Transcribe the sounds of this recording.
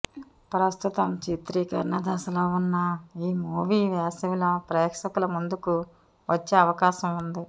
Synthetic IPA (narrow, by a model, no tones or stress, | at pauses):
pɾɐst̪ut̪ɐmt͡ʃit̪ɾikɐɾnɐd̪ʱɐsɐloːunːɐiːmuːʋiːʋjaːsiʋiloːpɾeːɐkʂɐkulɐmund̪uku | ʋɐt͡ʃːeːɐʋɐkaːʃɐmund̪i